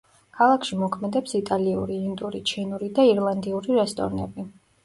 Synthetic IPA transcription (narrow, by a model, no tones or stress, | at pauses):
kʰalˠakʰʃimɔkʰmɛd̪ɛpsit̪ʼaliṵɾiːnd̪ʼuɾit͡ʃʰinuɾid̪aiɾlˠand̪iuɾiɾɛst̪ʼɔ̰ɾnɛ̰bi